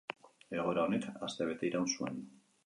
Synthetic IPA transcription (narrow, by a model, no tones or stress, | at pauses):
eɣo̞eɾaonek̪ast̪eβe̞t̪e̞ijɾawnsue̞̰n